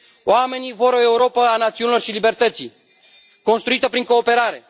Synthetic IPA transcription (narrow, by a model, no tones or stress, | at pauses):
oame̞nivo̞ɾo̞e̞uɾo̞pəanat̪siunilo̞rʃilibe̞rt̪ət̪si | ko̞nst̪ɾuit̪əpɾiŋko̞ːpe̞ɾaɾe̞